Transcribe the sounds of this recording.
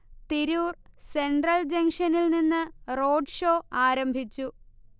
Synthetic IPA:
t̪iɾuːrse̞ɳɖrɐld͡ʑɐŋʂɐnilninːɨro̞ːɖʂo̞ːaːɾɐmbʱit͡ɕːu

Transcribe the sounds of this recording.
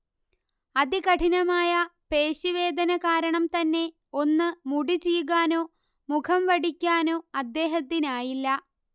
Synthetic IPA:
ɐðikɐʈʰinɐmaːjɐpe̞ːɕiʋe̞ːd̪ʱɐnɐkaːɾɐɳɐmt̪ɐnːe̞ | o̞nːɨmuɽit͡ɕijuɣaːno̞ː | mukʰɐmʋɐɽikʲːaːno̞ːɐd̪ːe̞ːɦɐt̪ːinaːjilːɐ

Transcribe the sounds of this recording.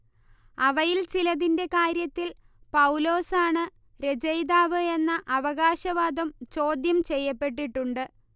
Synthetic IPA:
ɐʋɐjilt͡ɕilɐðinde̞kaːɾjɐt̪ːil | pɐwlo̞ːsaːɳɨ | ɾe̞d͡ʑɐjd̪aːʋɨe̞nːɐʔɐʋɐɣaːɕɐʋaːd̪ɐmt͡ɕo̞ːd̪jɐmt͡ɕe̞jːɐpːe̞ʈːiʈːuɳɖɨ

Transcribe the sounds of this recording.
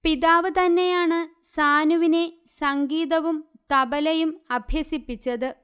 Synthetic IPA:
piðaːʋɨt̪ɐnːe̞jaːɳɨ | saːnuʋine̞sɐŋɡiːðɐʋumt̪ɐbɐlɐjumɐbʱjɐsipːit͡ɕːɐðɨ

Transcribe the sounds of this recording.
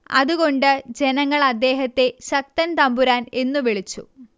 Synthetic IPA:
ɐ̰ðuɣo̞ɳɖɨd͡ʑe̞nɐŋːɐɭɐd̪ːe̞ːɦɐt̪ːe̞ɕɐk̚t̪ɐnt̪ɐmbuɾaːne̞nːuʋiɭit͡ɕːṵ

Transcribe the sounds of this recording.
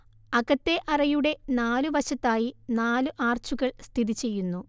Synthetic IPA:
ɐɣɐt̪ːe̞ʔɐrɐjuɽe̞naːluʋɐɕɐt̪ːaːjinaːlɨʔaːrt͡ɕuɣɐɭst̪ʰiðit͡ɕe̞jːunːu

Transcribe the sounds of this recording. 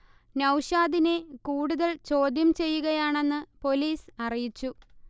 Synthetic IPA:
nɐwɕaːðine̞kuːɽuðɐɭt͡ɕo̞ːd̪jɐmt͡ɕe̞jːuɣɐjaːɳe̞nːɨpo̞liːsɐrijit͡ɕːu

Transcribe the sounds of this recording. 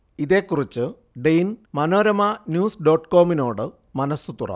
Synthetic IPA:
iðe̞ːkːurit͡ɕːɨ | ɖejnmɐno̞ːɾɐmɐnjuːsɖo̞ːʈko̞ːmino̞ːɽɨ | mɐnɐsut̪urɐ̰

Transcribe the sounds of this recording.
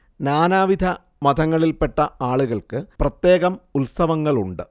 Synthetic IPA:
naːnaːʋid̪ʱɐ | mɐd̪ʱɐŋːɐɭilpe̞ʈːɐaːɭuɣɐɭkɨprɐt̪je̞ːɣɐmut̪sɐʋɐŋːɐɭuɳɖɨ

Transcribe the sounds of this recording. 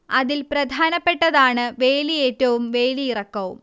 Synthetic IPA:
ɐðilprɐd̪ʱaːnɐpːe̞ʈːɐðaːɳɨʋe̞ːlie̞ːtːɐʋumʋeːliirɐkːɐʋum

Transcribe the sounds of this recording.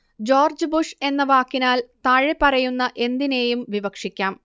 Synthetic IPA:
d͡ʑo̞ːrd͡ʑɨbuʂe̞nːɐʋaːkːinaːlt̪ɐɻepɐrɐjunːɐʔe̞nd̪ine̞ːjumʋibɐkʂikʲːaːm

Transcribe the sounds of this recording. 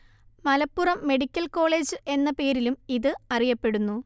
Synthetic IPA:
mɐlɐpːurɐmːe̞ɽikʲːɐlko̞ːɭe̞ːd͡ʑɨʔe̞nːɐpe̞ːɾilumiðɨɐrijɐpːe̞ɽunːu

